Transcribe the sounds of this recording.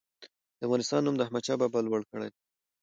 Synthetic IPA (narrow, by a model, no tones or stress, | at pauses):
d̪̥əavɣɑnɪst̪ɑnːumd̪əahmat͡ʃɑbabalwəɽkəɽaj